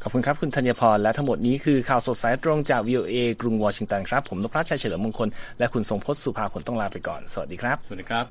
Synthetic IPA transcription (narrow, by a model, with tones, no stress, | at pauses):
kʰɔː˨˩pkʰu˧nkʰa˦˥p̚kʰu˧nt̪ʰa˧njaː˧pʰɔː˧nlɛ˦˥t̪ʰa˦˥ŋmo˨˩t̪̚niː˦˥kʰɯː˧kʰaː˨˩wso˨˩t̪̚saː˨˩˦jt̪ɾo˧ŋt͡ɕaː˨˩k̚wiː˧ʔoː˧ʔeː˧kɾu˧ŋwɔː˧t͡ɕʰi˧ŋt̪a˧nkʰɾa˦˥pʰːo˩˦mlo˦˥k̚ɾa˦˥t͡ɕʰa˧t͡ɕʰa˧lɯː˩˦m˧əŋkʰo˧nlɛ˦˥ʔkʰu˧nso˧˩ŋpʰo˦˥t̪̚su˨˩pʰaː˧pʰo˩˦nt̪ɔ˥˩ŋlaː˧pa˧jkɔ̰ː˨˩nsa˧wa̰˨˩t̪̚diː˧kʰɾa˦˥p̚ːdiː˧kʰa˦˥p̚